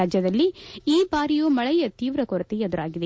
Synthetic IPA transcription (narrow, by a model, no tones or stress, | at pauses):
aːd͡ʒjɐd̪ɐlːiiːbaːɾijuːmɐɭɛjɐt̪iːʋɾɐkoɾɐt̪iɐd̪uɾaːɡid̪e